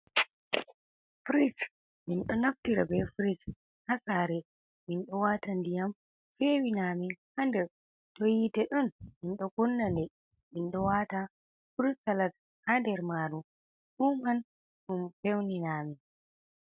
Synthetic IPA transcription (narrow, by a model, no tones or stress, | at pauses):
fɾid͡ʒ | minɗɔnaftiɾabɛfɾid͡ʒ | hasaːɾɛ | minɗɔwatandijam | fewinaːmihandɛɾ | tojitɛɗɔnminɗɔkunːandɛ | minɗɔwata | fuɾusalat | handɛɾmaɾu | ɗuman | ɗumfewninaːmi